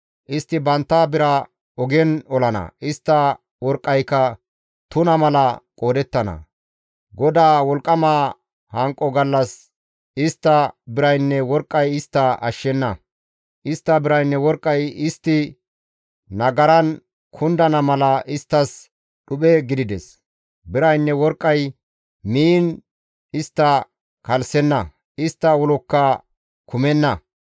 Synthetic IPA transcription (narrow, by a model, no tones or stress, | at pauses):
ʔɪst̪ːɪbɐnt̪ːaːbɪɾɐ | ɔɡɛnɔlɐnɐ̰ʔɪst̪ːɐ | wɔɾkʼːɐjkːɐ | t̪ʊnɐmɐlɐkʼo̞ːd̪ɛt̪ːɐnɐ̰ | ɡɔd̪aːwɔlkʼːɐmaː | hɐŋkʼːɔɡɐlːɐs | ɪst̪ːɐbɪɾɐjnːɛwɔɾkʼːɐjɪst̪ːɐɐ̰ʃːɛnːɐ | ʔɪst̪ːɐbɪɾɐjnːɛwɔɾkʼːɐjɪst̪ːɪ | nɐɡɐɾɐn | kʰʊnd̪ɐnɐmɐlɐʔɪst̪ːɐs | ɗʊɓɛɡɪd̪ɪd̪ɛs | bɪɾɐjnːɛwɔɾkʼːɐj | miːn | ɪst̪ːɐ | kɐlsɛnːɐ | ɪst̪ːɐwɔlɔkːɐ | kʰʊmɛnːɐ